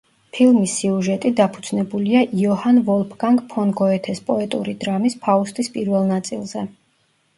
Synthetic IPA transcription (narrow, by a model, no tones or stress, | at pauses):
pʰilˠmisːiuʒɛt̪ʼid̪apʰud̪z̥nɛbuliaʔiɔhanvɔlˠpʰɡaŋkpʰɔnɡɔɛt̪ʰɛspʼɔɛt̪ʼṵɾid̪ɾamispʰaust̪ʼispʼiɾvɛlˠnat̪sʼḭlˠzɛ